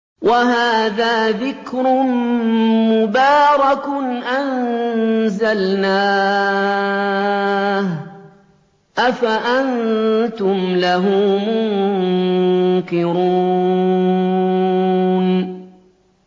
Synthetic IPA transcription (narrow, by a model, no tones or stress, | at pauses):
waɦaːðaːðɪkɾʊnmʊbaːɾˤɑkʊnʔan | zalnaː | h | ʔafaʔant̪ʊmlaɦʊmʊŋŋ | kɪɾuː | n